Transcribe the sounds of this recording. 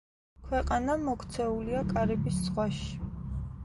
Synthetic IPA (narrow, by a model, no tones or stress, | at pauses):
kʰwɛqʼanamɔkʰt̪sʰɛuliakʼaɾɛbisz̥ʁwaʃi̥